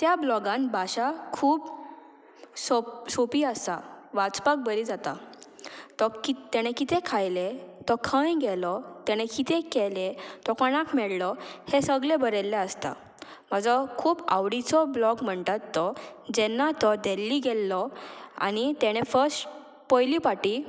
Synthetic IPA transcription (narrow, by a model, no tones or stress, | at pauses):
t̪jablɔɡãnbʱaɕakʰuːb | sɔsopiːəsaʋat͡spak̚bəɾid͡zat̪a̰ | t̪ɔkit̪ɛɽ̃ẽkit̪ẽkʰajlet̪ɔkʰə̃jɡɛlɔt̪ɛɽ̃ẽkit̪ʰekɛlet̪ɔkəɽ̃ãkmɛɭlɔhesəɡlebəɾelːeəst̪a̰ | m̤əd͡zɔkʰuːba̰ʋɽit͡sɔblɔkm̤əɳt̪at̪ːɔd͡ʑɛnːat̪ɔd̪elːiɡɛlːɔa̰ñit̪ɛɽ̃efəsʈ | pɔjlipaʈi